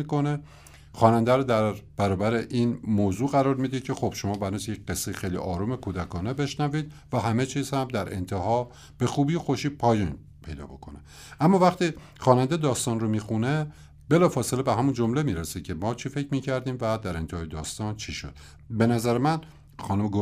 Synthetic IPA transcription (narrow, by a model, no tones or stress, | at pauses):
iko̞ne̞ | xɒːnænd̪æɾod̪æɾb̥æɾɒːbæɾeʔiːnmoːzuːɣæɾɒːɾmid̪id̪̚cʰe̞xob̥ʃomɒːbænot̪ʰjecɢe̞sːejixejlḭʔɒːɾume̞kʰuːd̪ækʰɒːnebe̞ʃnæviːd̪̥̚væɦæme̞t͡ʃʰiːz̥hæmd̪æɾe̞̰nt̪ʰeɦɒː | b̥e̞xuːbijoxoʃiːpʰɒːjiːn | pʰe̞jd̪ɒ̰ːbo̞̰kʰone | ʔæmːɒːvæχt̪iː | xɒːnænd̪ed̪ɒːst̪ɒːnɾromiːxune̞ | be̞lɒːfɒːselebeɦæmund͡ʒomle̞miːɾesecʲʰemɒːt͡ʃʰife̞cʰɾmiːcʰæɾd̪iːmvæd̪æɾe̞nt̪ʰehɒːjed̪ɒ̰ːst̪ɒnt͡ʃʰiʃo̞̰d̪̥ | be̞næzæɾemæn | xɒːnomeɡo